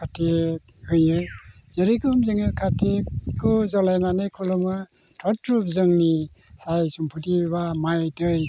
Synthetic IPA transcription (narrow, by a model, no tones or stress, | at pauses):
kʰatʰe | hɯjɯ | z̥eɾikɔmzɯŋɯkʰatʰekɔzɔlajnanɯjkʰulɔmɯ | tʰɔtːɾupzɯŋni | sajsumpʰutibamajdɯj